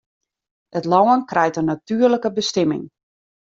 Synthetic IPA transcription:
ətlɔwənkrɛjtənatyərləkəbəstɛmɪ̰ŋ

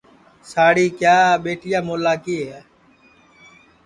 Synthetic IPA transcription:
saːɽiːkjaːɓeːʈʰɪjaːmoːlaːkiːɦɛː

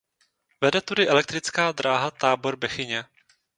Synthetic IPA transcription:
vɛdɛt̪udɪʔɛlɛk̚t̪ɾɪt͡skaːd̪ɾaːɦat̪aːbo̞ɾbɛxɪɲɛ

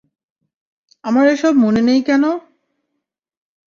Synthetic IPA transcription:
amaɾejʃɔbmonenejkɛno

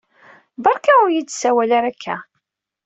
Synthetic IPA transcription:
bɑɾˤkaʊɾjidsæwælaɾækːæ̰

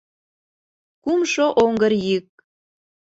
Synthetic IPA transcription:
kumʃoʔoŋɡəɾjik̚

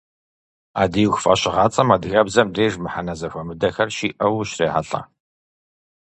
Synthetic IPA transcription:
a̰ːdiuwxfɐɕɪʁɑːt͡sʼɐmadɣɐbzɐmreːʐmɨħanɐzɐfʷɐmɨdɐxɐrʃiːʔɐwɕreːħa̰ɬʼɐ̰

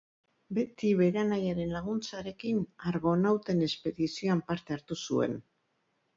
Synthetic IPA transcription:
be̞t̪iβe̞ɾanajaɾe̞nlaɣ̞unt͡saɾe̞kinaɾɣo̞nawt̪e̞ne̞spe̞ðisio̞ampaɾt̪e̞aɾt̪usue̞̰n

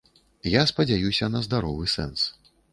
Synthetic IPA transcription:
jaspɐd͡zʲajusʲɐnɐzd̪aɾɔvɨsɛ̰ns

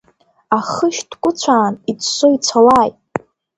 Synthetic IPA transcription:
aχəʃd̥kʷʼʊt͡ɕʷʰaːnit͡sʰsoit͡sʷʰalaːjtʼ

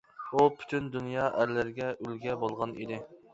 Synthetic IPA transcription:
upʰy̥t̪ʰynd̪unjɑːʔæɾlɪɾɪɡʲɛʔylɡʲɛbolˠʁɑnḭd̪ɪ

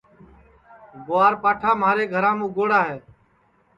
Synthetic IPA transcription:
ɡʊaːɾpaːʈʰaːmaːɾeːɡʱəɾãːmũːɡoːɽaːɦeː

